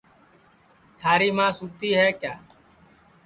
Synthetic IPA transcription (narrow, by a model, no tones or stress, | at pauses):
t̪ʰaːɾiːmãːsuːt̪iːɦɛːkjaː